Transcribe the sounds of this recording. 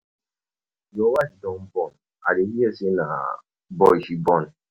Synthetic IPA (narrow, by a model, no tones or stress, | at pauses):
jɔwad͡ʒdɔ̃mbɔn | a̰dehiɛsena̰ | bɔʃibɔn